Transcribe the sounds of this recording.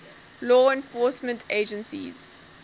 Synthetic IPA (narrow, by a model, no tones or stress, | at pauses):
lɔːɛ̃nfɔːsmə̃ntʰed͡ʒə̃nsḭz̥